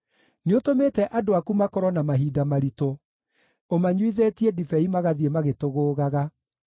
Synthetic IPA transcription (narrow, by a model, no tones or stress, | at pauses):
neotomeːtɛʔadoakumakɔɾɔnamaɦiːdamaɾito | omaɲwiðetiedifɛimaɣaðiemaɣetoɣoːɣaɣa